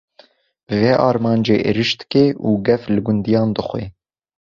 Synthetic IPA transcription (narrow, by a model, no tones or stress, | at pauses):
bɨveʔɑːɾmɑːnd͡ʒeːʔḛɾɨʃt̪ɨ̥keːuːɡɛflɨɡund̪ijɑːnd̪ɨxʷḛː